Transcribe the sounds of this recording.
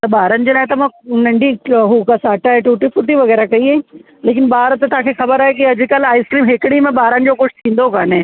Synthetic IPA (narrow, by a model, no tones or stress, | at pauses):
t̪ɐbaːɾənɪ̆d͡ʑeːlaːɪt̪ɐmãːnɐ̃ɳɖʱiɦukɐsaːʈaeʈuːʈifʊʈiʋɐɣɛːɾakɐĩ | leːk̬ɪnbaːɾt̪ɐt̪ãːkʰexɐbəɾaːɦek̬iɐd͡ʑ̆kəlaːɪskɾiːmɦɪkɽ̃imẽɓaːɾənɪ̆d͡ʑoːkʊʃt̪ʰĩːnd̪okaːnẽː